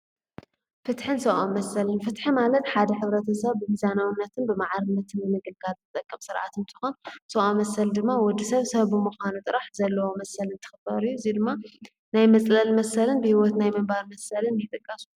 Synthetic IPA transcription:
fɨt̪ħɨnsɐʔonmɐsɐlɨnfɨt̪ħimalɐt̪ħad̪ɐħɨβɾɐt̪ʰɐsɐβːɨhizanawɨnːɐt̪ʰɨnbɨmaʕaɾɨnːɐt̪ʰɨnːɨmɨɡɨlɡalzʰɨt̪ʼɐkʼːɐmsɨɾʕa̰t̪ʰɨnt̪ʰɨ̥xonsɐʔomːɐsɐld̪ɨmːawɔd̪ːisɐβsɐβːɨmuxanut̪ʼɨɾaħzɐlːɐwomɐsɐlɨnt̪ʰɨ̥xɨbɐɾɨjːuzid̪ɨmːa | najmɐt͡sʼlɐlmɐsɐlɨnbɨhiwɔt̪najmɐmbaɾmɐsɐlɨnjɪt̪ʼɨkʼːɐsu̥

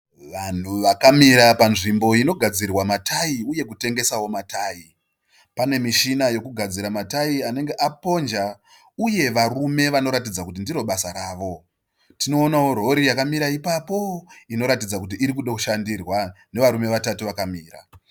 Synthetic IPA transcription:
ʋan̤uʋakamiɾapanʐimbo̞ino̞ɡʱad͡zirwamatʰaiuje̞kute̞ŋɡe̞sawo̞matʰaːi | pane̞miʃinajo̞kuɡʱad͡ziɾamataiane̞ŋɡe̞ʔapo̞nd͡ʒa | uje̞ʋarume̞ʋano̞ɾatid͡zakut̬indiɾo̞ɓasaɾaːʋo̞ | tino̞ːnawo̞ɾo̞ɾijakamiɾaipapo̞ino̞ɾatid͡zakut̬iʔːɾikuɗokuʃandirwane̞ʋaɾume̞ʋatatiʋakamiːɾa̰

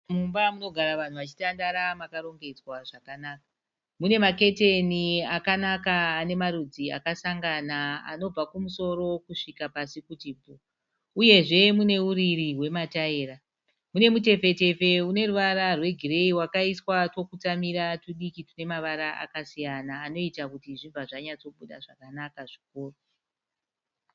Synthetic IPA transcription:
mumbamuno̞ɡʱaɾaʋan̤uʋat͡ʃi̥tandaɾamakaɾo̞ŋɡe̞d͡zwaʐakanaːkḁ | mune̞make̞te̞niakanakaːne̞maɾud͡zia̰kasaŋɡanaa̰no̞b͡vakumuso̞ɾo̞kuʂikapasikutiːbʱo | uje̞ʐe̞mune̞uɾiriɦwe̞mataeːɾa | mune̞mute̞fe̞te̞fe̞une̞ruʋaɾarwe̞ɡʱire̞iwakaiswatwo̞kutamiɾatuɗikitune̞maʋaɾaa̰kasijanaːno̞itakutiʐiɱvaʐaɲat͡so̞ɓuɗa̰ʐakanakaʐikoːro

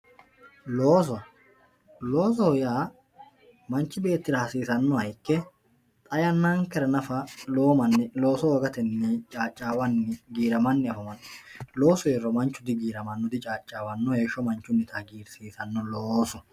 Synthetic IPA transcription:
loːs̬ɔ | lo̞ːsɔhʊjaː | mɐnt͡ʃːɪbe̞ːt̪ːɪɾɐhɐsiːsɐnːɔhɐjkːɛ | t̪ʼɐjɐnːaːŋkɛɾɐnɐfɐloːmɐnːlo̞ːsɔwɔɡɐt̪ɛnːet͡ʃʼaːt͡ʃʼːaːwɐnːɪɡiːɾɐmɐnːɪɐfɐmɐnːlo̞ːsɔjerːɔmɐnt͡ʃːʊd̪ɪɡiːɾɐmɐnːɔd̪ɪt͡ʃʼaːt͡ʃʼːaːwɐnːɔhe̞ːʃːɔmɐnt͡ʃːʊnːɪt̪ɐɡiːɾsiːsɐnːɔloːsɔ

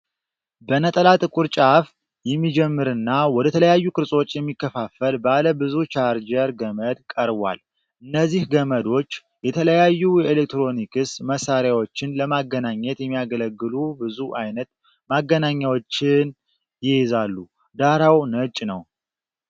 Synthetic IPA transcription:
bənət̪ʼəlat̪ʼɨkʼuɾt͡ʃʼaf | jɛmːid͡ʒɛmːɨɾɨnːawɔd̪ət̪ʰələjajːukɨɾsʼo̞t͡ʃːjɛmːikːəfafəlbaləbɨzut͡ʃʰaɾd͡ʒəɾɡəməd̪kʼəɾbʷa̰l | ʔɨnːəzːihɡəməd̪o̞t͡ʃː | jɛt̪ʰələjajːujɛelekt̪ɾo̞nikɨsməsaɾjawo̞t͡ʃːɪnləmaɡənaɲːɛt̪jɛmːijaɡələɡːɨlubɨzuʔajnət̪ | maɡːənaɲːawot͡ʃːɪn | jɪhezalːu | d̪aɾawnət͡ʃʼːnəw

